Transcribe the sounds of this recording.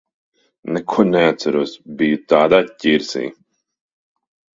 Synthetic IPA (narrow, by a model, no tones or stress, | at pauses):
nɛkʰuɔnɛat̪saɾuɔsbijut̪aːd̪aːt̪ʲcʲiːɾsḭː